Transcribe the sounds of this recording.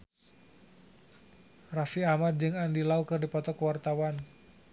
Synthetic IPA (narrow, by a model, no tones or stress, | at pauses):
rafiamad̪̚d͡ʒɨŋandilaukɨrdipɔt̪ɔkwart̪awan